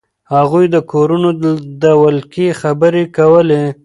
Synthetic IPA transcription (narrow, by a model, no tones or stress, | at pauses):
haɣujd̪əkoɾunod̪awəlkexabəɾekawəle